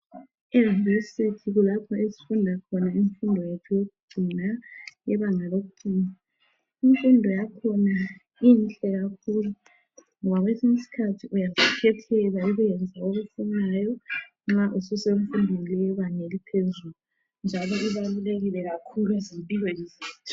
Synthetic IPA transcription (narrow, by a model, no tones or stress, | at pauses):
ɛvisitʰiɣulapʰɔesi̥fundʱakʰɔnaiɱfundʱɔjetʰujoɣuɡ͡ǀʱinajɛβaŋaloɣuɡ͡ǀʱiːna | iɱfundʱɔjakʰɔna | int͡ɬʼɛɣakʰulu | ŋɔβaɣwesiŋisi̥kʰatʰiʔujazikʰɛtʰɛlaiɣujɛnd͡zʱaoɣufunajɔ | ŋ͡ǁaʔususeuɱfundʱɔlɛβanelipʰezulu | nd͡ʒʱalɔiβaluleɣilɛɣakʰuluezimpʼilwɔiziːtʰu̥